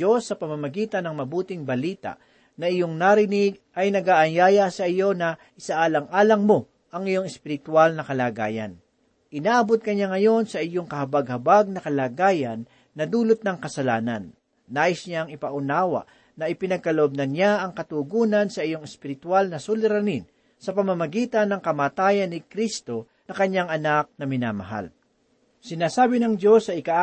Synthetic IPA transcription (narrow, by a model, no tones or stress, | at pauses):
o̞sːɐpɐmamɐɡiːt̪ɐnɐŋmɐbuːt̪ɪŋbɐliːt̪a̰ʔ | nɐɪjoŋnaɾɪnɪɡ̚ʔɐjnɐɡaːʔɐnjaːjasɐʔɪjo̞nɐʔɪsaʔaːlɐŋʔaːlɐŋmo̞ | ʔɐŋɪjo̞ŋɛspɪɾɪt̪walnɐkɐlaːɡa̰ːjɐ̰n | ʔɪnaʔɐbot̪̚kɐɲaŋɐjo̞nsɐʔɪjoŋkɐhɐbɐɡ̚hɐbaɡ̚nɐkɐlaːɡaːjɐnː | ɐd̪uːlʊt̪̚nɐŋkɐsɐlaːnɐnː | aːʔɪsɲaŋɪpɐʔʊnaːwɐ̰ʔ | nɐʔɪpɪnɐɡ̚kɐlɐʔob̚nɐnjaɐŋkɐt̪uɡuːnɐnsɐʔɪjo̞ŋɛspɪɾɪt̪walnɐsʊlɪɾɐnin | sɐpɐmɐmɐɡiːt̪ɐnːɐŋkɐmaːt̪aːjɐnːɪkɾist̪o̞ | nɐkɐɲːaŋʔɐnak̚nɐmɪnaːmɐ̰ɦa̰l | sɪnaːsaːbɪnɐŋd̪jo̞sːɐɪkaʔ